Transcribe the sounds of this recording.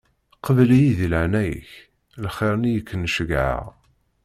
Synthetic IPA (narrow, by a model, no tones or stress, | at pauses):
qəvlijiðilʕnæjə̰ç | lχɪɾˤnijəkʰːənːʃəɡʕa̰ʁ